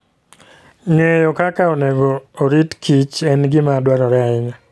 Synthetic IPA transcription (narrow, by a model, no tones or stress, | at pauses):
ŋejɔkakaonɛɡoːɾitkʰit͡ʃɛnɡɪmadwaɾɔɾaɪɲa